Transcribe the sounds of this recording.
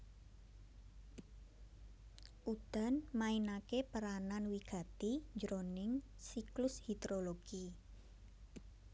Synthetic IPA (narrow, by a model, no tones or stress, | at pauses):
ʔud̪̥a̤nmainakepəɾananwiɡ̥a̤t̪id͡ʒɾonɪŋsiklʊshid̪ɾoloɡ̥i